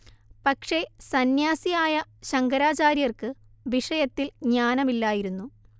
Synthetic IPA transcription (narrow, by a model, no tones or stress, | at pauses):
pɐkʂe̞sɐnjaːsijaːjɐɕɐŋɡɐɾaːt͡ɕaːɾjɐrkɨ | ʋiʂɐjɐt̪ːilɲaːnɐmilːaːjiɾunːu